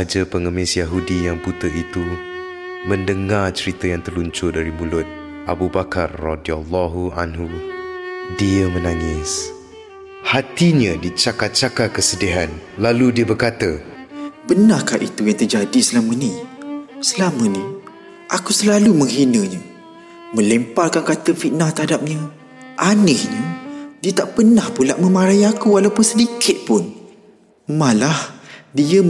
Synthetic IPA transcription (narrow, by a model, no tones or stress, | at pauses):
ad͡ʒapəŋəmɪsjaɦudijaŋput̪əʔit̪u | mə̃ndəŋart͡ʃəɾit̪ajaŋt̪ərluɲt͡ʃʊdaɾimulʊt̪̚ | ʔabubakarːɔdialːɔɦua̰nɦu | diəmənaŋɪs | hat̪iɲãdit͡ʃakat̪̚t͡ʃakakəsədiɦanlaludiəbərkat̪ə | bənahkahʔit̪ujaŋt̪ərd͡ʒadisəlamənĩ | səlaməni | ʔakusəlaluməŋɦinəɲə | mə̃lɛmparkankat̪əfit̪̚nat̪ərhadap̚ɲa | ʔanɪhɲədiət̪aʔpərnahpula̰ʔmə̃maɾajakualawpʊnsədikʰɪt̪̚pʊn | malahdiə